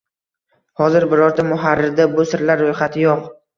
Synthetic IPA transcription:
hɒzɪɾbɪɾɒɾt̪ʰamʊɦaɾːɪɾd̪abʊsɪɾlaɾːojχat̪ʰɪjoq

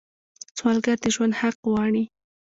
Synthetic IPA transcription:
t͡swɑlɡaɾd̪eʒwand̪haqwɑɳi

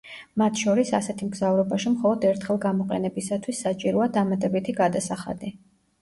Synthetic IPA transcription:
mat̪ʰʃɔɾisasɛt̪ʰimɡzavɾɔbaʃimχɔlˠɔd̪ɛɾt̪ʰχɛlˠɡamɔqʼɛ̰nɛbisat̪ʰwisːat͡ʃʼiɾɔad̪amat̪ʼɛbit̪ʰiɡad̪asaχa̰d̪i

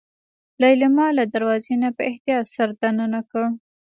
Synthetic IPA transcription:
laɪlmɑlad̪aɾwɑzenapəɪht̪ijɑt̪saɾd̪anənakəɽ

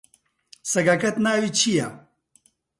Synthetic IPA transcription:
sɐɡakɐt̪naːwit͡ɕʰija

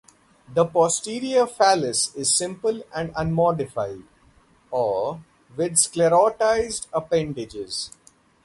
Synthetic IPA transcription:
d̪əpɔːsʈiːɾiəfæləsɪzsɪ̃mpəlæ̃ɳɖə̃nmɔːɖɪfaɪɖ | ɔː | ʋɪd̪skleɾɔːʈaɪzɖəpɛ̃ɳɖɪd͡ʒɪz̥

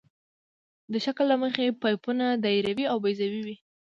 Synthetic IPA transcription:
d̪əʃaklːaməxepajpunad̪aiɾawiawbajzawiwi

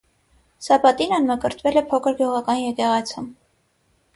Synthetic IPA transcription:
sɑpɑt̪inənməkəɾt̪ʰvɛlɛpʰɔkʰəɾɡjuʁɑkɑnjɛkɛʁɑt͡sʰum

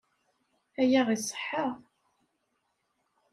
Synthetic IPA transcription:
æjæʁisˤə̥ħːəʁ

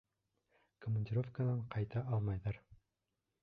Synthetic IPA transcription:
komənʲdʲɪɾo̞fkanɑɴqɑjt̪ɑʔɑlˠmɑjðɑɾ

